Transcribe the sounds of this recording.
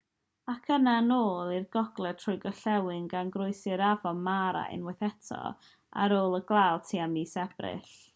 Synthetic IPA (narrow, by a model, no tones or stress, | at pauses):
akʰənanoːlˠirɡ̥ɔɡ̥lˠɛ̥tʰrʊjɡɔɬɛwɨnɡanɡrʊɨsɨɾavɔnmaɾa̰ʔɪ̰nwɛθɛtʰɔ̰ | a̰ɾoːlˠəɡlˠalˠtʰiːamiːsɛb̥rɪ̰ɬ